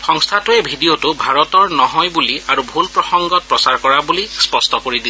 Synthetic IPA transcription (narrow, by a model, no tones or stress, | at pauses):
xɔŋstʰatuɛbʱidijotʊbʱaɹɔtɔɹnɔɦɔjbuliaɹubʱulpɹɔxɔŋɡɔt̚pɹɔsaɹkɔɹabulispɔstɔkoɹidi